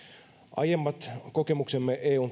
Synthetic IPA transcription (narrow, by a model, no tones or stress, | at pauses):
ʔɑ̰jemːɑt̪ko̞kemuksemːeʔeːuːn